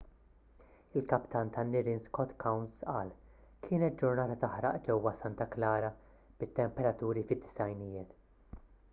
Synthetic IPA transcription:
ɪlkɐpt̪ʰɐnt̪ʰɐnːɪɾɪnskɔt̪kʰɐwnsʔɐːl | kʰɪːnɛt̪̚d͡ʒʊɾnɐːt̪ɐt̪ɐħɾɐ̰ʔd͡ʒɛwːɐsɐnt̪ɐklɐːɾɐ | b̥ɪt̪ːɛmpɛɾɐt̪uːɾifɪd̪ːɪ̥sɐjnɪjɪːt̪

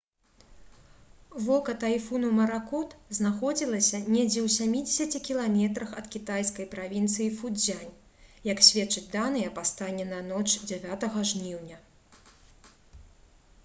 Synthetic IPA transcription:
vɔkɐt̪ajfunumɐɾakɔt̪znaxɔd͡zʲilˠɐsʲɐnʲɛd͡zʲɛwsʲamʲid͡zʲesʲɐt͡sʲikʲilˠamʲɛt̪ɾɐxɐt̪kʲit̪ajskɐjpɾavʲint̪sɨjifud͡zʲanʲ | jɐksʲvʲɛtt͡ʂːɨd͡zʲd̪anɨjɐpast̪anʲːɛnɐnɔt͡ʂd͡zʲɛvʲat̪ɐɣɐʐnʲiwnʲɐ

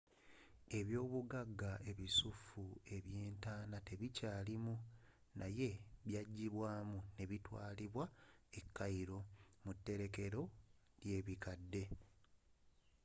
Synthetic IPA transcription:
e̞βjo̞ːβuɡaɡːaʔe̞βisufue̞βje̞ːntaːnate̞βicaːlimu | nʔaje̞βjaɟːiβwaːmune̞βitwa̰ːliβwae̞kːaiɾo̞mutːe̞ɾe̞ke̞ɾo̞ | lje̞ːβikadːe̞

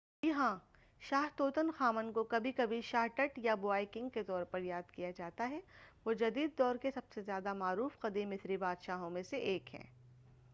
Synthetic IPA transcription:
jɪɦã | ʃaːɦt̪oːt̪ənxaːmənkokɐbʱikɐbʱiʃaːɦʈɐʈjaboaːɪkɪ̃ŋɡ̚ket̪ɔːɾpɐɾjaːd̪kijad͡ʒaːt̪aɦɛʋod͡ʒɐd̪iːd̪ːɔːɾkesɐb̥sezjaːd̪amaːɾuːfqɐd̪imɪsɾibaːd̪ʃaːɦõmẽseʔeːkɦɛ̰̃ː

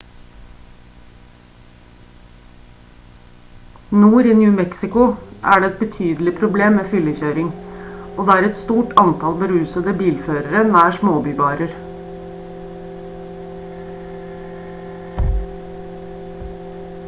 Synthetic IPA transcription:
nuːɾiːnjʉːmɛksɪkʊʔæ̰ːɖeːɛt̪̚bət̪ʰyːd̪l̩ɪpʰɾʊbleːmeːfʏləçøːɾɪŋoːd̪eːæːɾɛt̪st̪uːʈʰɑnt̪ʰɑlbəɾʉːsəd̪əbiːlføːɾəɾənæːʂmoːbyːʋɑːɾəɾ

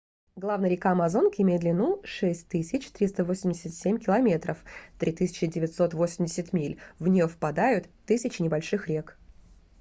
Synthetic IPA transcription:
ɡlˠavnəjɾʲɪkaɐmɐzo̞nkʲɪmʲejɪd̪lʲɪnuʂɛsʲtʲt̪ɨsʲɪt͡ɕt̪ɾʲist̪əvosʲɪmʲdʲɪsʲɪt̪sʲemʲkʲɪlˠɐmʲe̞t̪ɾəft̪ɾʲit̪ɨsʲɪ̥t͡ɕɪdʲɪvʲɪt̪ʲso̞t̪vo̞sʲɪmʲdʲɪsʲɪt̪mʲilʲvnʲɪjofpɐd̪ajʊt̪ːɨsʲɪt͡ɕɪnʲɪbɐlʲʂɨxɾʲek

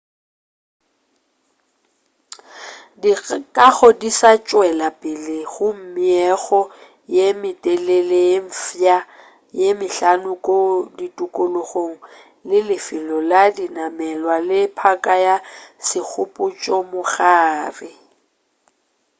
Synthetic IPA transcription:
dikʼaɣɔdisat͡ʃʼwɛlapʼɪlɪɣʊm̩mɪɛɣɔ | jemɪtʼeleleɱ̩fja | jemɪɬanʊkʼoditʼʊkʼʊlʊɣoŋ̩ | lɪlɪfɪlɔladinamɛlwalɪpʰakʼajasɪk͡xʰʊpʼʊt͡ʃʼɔmʊɣaːrɪ

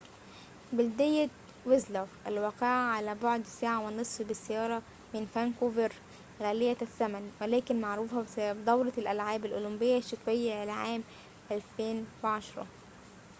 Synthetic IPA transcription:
bɪld̪ɪjːæ | wɪzlofʔælwæːqeʕʕalæboʕd̪saːʕawɪnɨsˤfbɪsːæjɑːɾˤɑ | mɪnfænkoːveɾ | ɣæːlɪjːæsːæmænwelæːkɪnmaʕɾuːfæsbd̪ˤɑwɾˤɑlʔælʕaːbælʔolʊmbɪjːæʃːɑt̪ˤwejːæʔalæʕaːm | ʔælfeːnwɪʕɑʃɾˤɑ̰

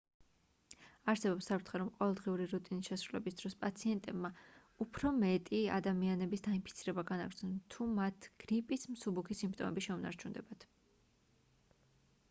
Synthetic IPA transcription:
aɾsɛbɔpsːapʰɾt̪χɛɾɔmqʼɔvɛlˠd̪ʁiuɾiɾut̪ʼinisʃɛsɾulɛbisd̪̥ɾɔspʼat̪sʰiɛnt̪ʼɛbma | upʰɾɔmɛt̪ʼia̰d̪amianɛbisd̪ainpʰit̪sʰiɾɛbaɡana̰ɡɾd̪znɔnt̪ʰumat̪ʰɡ̥ɾipʼismsubukʰisimpʰt̪ʼɔmʔɛ̰biʃɛuna̰ɾt͡ʃʰund̪ɛ̰bat̪ʰ

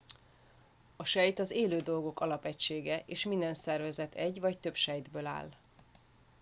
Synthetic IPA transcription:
ɒʃɛjt̪ɒzeːløːd̪o̞lɡo̞kɒlɒpɛcʃeːɡɛʔeːʃmind̪ɛnsɛrvɛzɛt̪ʰɛɟvɒct̪øpʃɛjd̪bøːla̰ːl

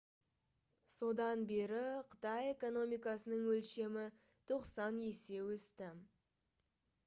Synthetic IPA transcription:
so̞d̪ɑnbe̞ɾɪqʰə̥t̪ɑje̞ko̞no̞mijkɑsənəɴwɵlʃe̞mɪ | t̪ʰo̞qsɑne̞se̞wɵst̪ɪ

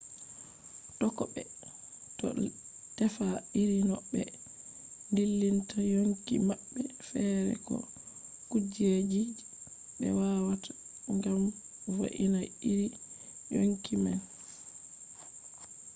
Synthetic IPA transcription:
tɔkɔɓɛ | tɔ̰ | tɛfaiɾinɔɓːɛ | ndilːintajoŋkimaɓːɛfɛɾɛ̰kɔ̰ | kud͡ʒed͡ʒi | ɓɛ̰wawatḁ | ŋɡam | vo̰ʔinaiɾijoŋkiman

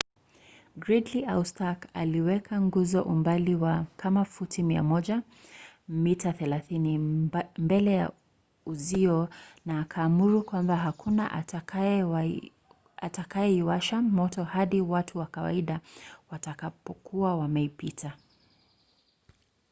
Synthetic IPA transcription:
ɡɹidliʔawstaka̰liwɛkʰaŋɡuzɔʔumbaliwakʰamafutimia̰mɔʄa | mitaθɛlaθinimbɛlɛja̰ | uziɔnaːkʰaːmuɾukwambaɦakʰunaʔ | atakajɛiwaʃamɔtɔhaɗiwatʰuwakawa̰iɗawatakapɔkʰuawamɛipitʰa

